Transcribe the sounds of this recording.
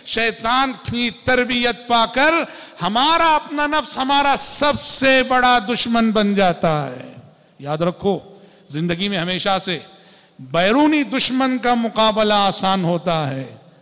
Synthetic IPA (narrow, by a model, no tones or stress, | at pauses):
ʃɐːt̪aːnʈʰĩt̪ɐɾbijət̪̚paːkɐɾ | hɐmaːɾaɐpnanɐfsɦɐmaːɾasɐbsebɐɽad̪ʊʃmənbɐnd͡ʒaːt̪aɦɛ̰ː | jaːd̪ɾɐkʰoː | zɪ̃nd̪əɡimẽɦɐmeːʃase | bɛːɾuːnid̪ʊʃmənkamʊqaːblaaːsaːnɦoːt̪aɦɛː